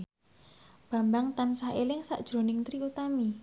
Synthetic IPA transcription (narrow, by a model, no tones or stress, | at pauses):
b̥a̤mbaŋt̪ansahelɪŋsa̰ʔd̥ʒ̥ɾo̤nɪŋt̪ɾiut̪ami